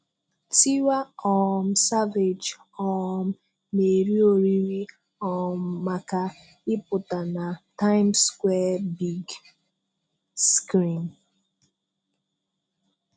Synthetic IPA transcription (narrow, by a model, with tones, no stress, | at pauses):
ti˦wa˦ɔ˨m̩˦sa˦ve˨d͡ʒ | ɔ˨m̩˦ | ne˨ɾi˦o˨ɾi˦ɾi˦ | ɔ˨m̩˦ma˨ka˦ | ɪ˦pʊ˨ta˨na˨ta˦ɪ˦mskwɛ˦bi˦ɡ | skɾi˨m